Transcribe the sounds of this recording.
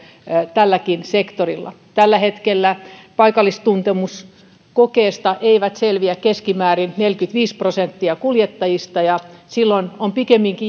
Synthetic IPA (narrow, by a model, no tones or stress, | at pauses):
t̪ælːækinsekt̪orilːɑ̰ | t̪ælːæhet̪kelːæpɑikɑlːˑist̪unt̪emus | kokeːst̪ɑʔeiʋæt̪selʋiækkeskimæːrinnelkyt̪ʋiːsprosent̪ːiɑkuljet̪ːɑjist̪ɑjɑsilːonompikemːiŋki